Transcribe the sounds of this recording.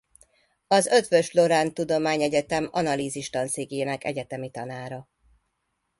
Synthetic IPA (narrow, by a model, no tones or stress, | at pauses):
ɒzø̞t̪ʋø̞ʃlo̞ɾaːnt̪ud̪o̞maːɲɛɟɛt̪ɛmɒ̰nɒliːziʃt̪ɒnseːɡeːnɛkɛ̰ɟɛt̪ɛmit̪ɒnaːɾɒ